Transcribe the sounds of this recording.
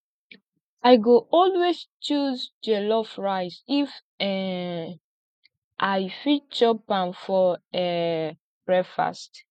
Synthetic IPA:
ajɡoʔɔlwest͡ʃuzdelɔfɹaɪsif | ɛ | ʔajfit͡ʃɔpãnfɔɛ | b̥ɹɛfa̰st

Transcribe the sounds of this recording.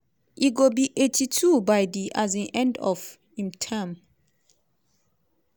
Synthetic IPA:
iɡobiʔetʰitʰubajdiʔaz̬ɛ̃nʔɛ̃ndɔf | hĩmtʰãm

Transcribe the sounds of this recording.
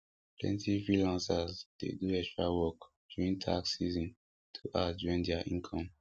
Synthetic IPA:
plɛ̰̃ntifɹilãnsazdḛduɛkstɹawɔk | d͡ʒuɹĩntʰa̰ksizɔ̃n | tʰuʔad͡ʒɔɹĩndɛaʔĩnkʰɔ̃m

